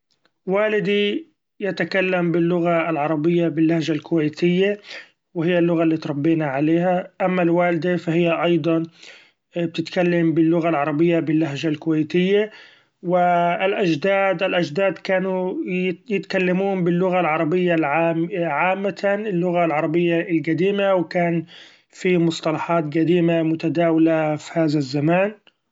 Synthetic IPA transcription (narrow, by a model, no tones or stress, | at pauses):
waːlɪd̪i | jat̪akalːambɪlːʊɣaɪlʕɑɾˤɑbɪjːabɪlːahʒalkʊwajt̪ɪjːa | wɪhɪjːalːʊɣalːiːt̪ɾˤɑbːiːnaʕaleːhaʔamːalwaːlɪd̪afahɪjːaʔɑjd̪ˤɑn | b̚t̪ɪt̪kalːambɪlːʊɣalʕɑɾˤɑbɪjːabɪlːaɦʒalkʊwajt̪ɪjːa | wɪlʔad͡ʒd̪aːd̪ʔalʔad͡ʒd̪aːd̪kaːnu | jɪt̪kalːamuːmbɪlːʊɣalʕɑɾˤɑbɪjːaʕaʕaːmːaɪlːʊɣalʕɑɾˤɑbɪjːalɡad̪iːmawɪkaːn | fimʊsˤt̪ˤɑlɑħɑːt̪ɡad̪iːmamʊt̪ad̪aːwalafihaːðazːamaːn